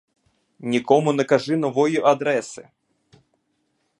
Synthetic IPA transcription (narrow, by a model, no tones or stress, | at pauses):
nʲikɔmunɐkaʐɨnɔvɔjɛʔad̪ɾɛsɨ